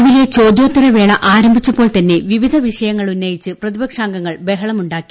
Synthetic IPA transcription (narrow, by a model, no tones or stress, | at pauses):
ʋile̞t͡ɕo̞ːd̪jo̞ːt̪ːiɾɐʋe̞ːɭɐʔaːɾɐmbʱit͡ɕːɐpo̞ːɭt̪ɐnːe̞ʋiʋid̪ʱɐʋiʂɐjɐŋːɐɭunːɐjit͡ɕːɨprɐðibɐkʂaːŋɡɐŋːɐɭbe̞ɦɐɭɐmuɳɖaːkːi̥